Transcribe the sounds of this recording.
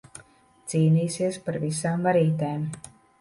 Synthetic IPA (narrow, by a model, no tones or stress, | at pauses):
t̪siːniːsiɛspaɾvisaːmvaɾiːt̪eːm